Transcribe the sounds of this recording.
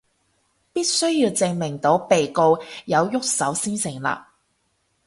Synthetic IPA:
piː˥t̚sɵ˥ɥjiː˧wt͡sɪ˧ŋmɪ˨˩ŋt̪o˨˥wpe˨jko˧wjɐ˨˧wjʊ˥k̚sɐ˨˥wsiː˥nsɪ˨˩ŋla̰ː˧

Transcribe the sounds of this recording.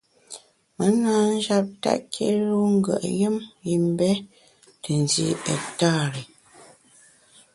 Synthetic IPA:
mə˨˦naː˦n̩˦d͡ʒa˦p̚ta̰˦˨ʔkʰḛ˦lu˦ŋ̩˦ɡə̰˨ʔjə˦mi˨m˦bɛ˦ | tə˨n˨zḭ˦ɛ̰˨ta˦˨ɾe˨

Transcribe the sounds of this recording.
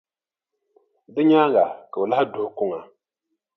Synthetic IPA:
dɨ˦ɲaː˦ŋɡa˨ka˨o˨la˦ɪ˦dʊ˦hʊ˨kʊ˦ŋa˨

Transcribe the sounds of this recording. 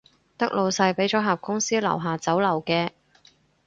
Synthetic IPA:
t̪ɐ˥k̚lo˨˧wsɐ˧jpe˨˥jt͡ʃɔː˨˥ɦaː˨p̚kʊ˥ŋsiː˥lɐ̰˨˩wɦaː˨˧t͡sɐ˨˥wlɐ˨˩wkɛː˧

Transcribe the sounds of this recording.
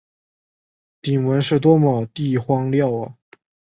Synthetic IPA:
t̪i˨˩ŋwə˧˥nʂɻ̩˥˩t̪̬wɔ˥mɔ˨˩t̪i˥˩xwɑ˥ŋljɑ˥˩ʊə̰˩

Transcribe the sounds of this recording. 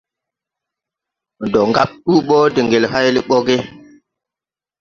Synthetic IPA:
ndɔ˨ŋɡa̰˦˨ɓ̚ɗu˦ɓɔː˦di˨ŋɡe˨lha˦jli˦ɓɔ˦ɡe˦

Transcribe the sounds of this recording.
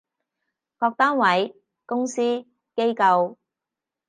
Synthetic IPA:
kɔː˧k̚t̪aː˥nwɐ˨˥j | kʊ˥ŋsiː˥ | ke˥jkɐ˧w

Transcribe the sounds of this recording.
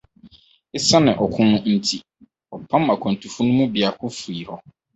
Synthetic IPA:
ɪ˦sa˦nɪ̃˨ʔɔ˨kʰʊ̃˦nʊ̃˦n̩˦tʰi˨ | ɔ˨pʰã˦ma˨kʰɔ̃˨n˨tʰu˨fu˦nʊ̃˦mũ˦bi˨a˨kʰʊ̃˦fu˨i˨hɔ˦

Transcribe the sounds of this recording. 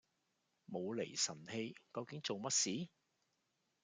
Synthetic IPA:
mo˨˧wle˨˩jsɐ˨˩nhe˧jkɐ˧wkɪ˨˥ŋt͡so˨wmɐ˥t̚siː˨˥

